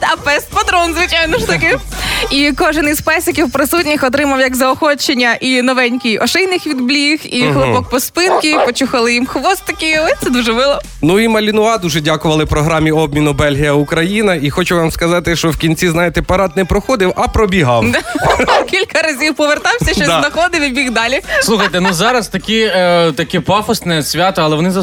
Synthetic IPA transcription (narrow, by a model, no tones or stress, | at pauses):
ɐpɛst̪pɐd̪ɾɔnzʋɪt͡ʃajnɔʃt̪ɐkɪikɔʒɪnizpɛsʲɪkʲiwpɾɪsutʲnʲixɔt̪̬ɾɪmɐwjɐɡzɐɔxɔt͡ʃenʲːɐʔinɔʋɛnʲkʲijɔʃɪjnɪxʋʲid̪blʲixixlˠɪbɔk̚pɔspɪnkʲipɔt͡ʃuxɐlˠɪjimxʋɔst̪ɐkʲɪɔt̪sɛd̪uʒɛbɪlˠɔ | nuimɐlʲinʊɑd̪uʒɛdʲakʊʋɐlˠɪwpɾɔɦɾɑmʲiɔb̚mʲinʊbɛlʲɦijɐukɾɐjinɐixɔt͡ʃʊʋɑmskɐzɑt̪ɪʃt͡ʃɔwkʲinʲt͡sʲiznɑjet̪ɛpɐɾɑd̪̚nɛpɾɔxɔd̪ɪwɐpɾɔbʲiɦɑwd̪akʲilʲkɐɾɐzʲiwpɔʋert̪ɑwsʲɐʃt͡ʃɔnɐxɔd̪ɪwʲibʲixd̪ɑlʲisˠuxɐjt̪ɛnuzɑɾɐst̪ɐkʲit̪ɐkʲɪpɑfɔsnɛsʲʋʲat̪ɔɐlˠɛʋɔnɪzɐ